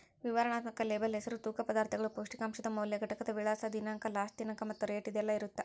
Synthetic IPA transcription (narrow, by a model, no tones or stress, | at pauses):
ʋiʋɐɾɐɳaːt̪mɐkɐleːbɐlɦɛsɐɾut̪uːkɐpɐd̪aːɾt̪ɐɡɐɭupoːʂʈikaːmʂɐd̪ɐmɐwljɐɡʱɐʈɐkɐd̪ɐʋiɭaːsɐd̪inaːŋkɐlaːsʈinɐŋkɐmɐt̪ːuɾeːʈid̪ɛlːɐiɾut̪ːe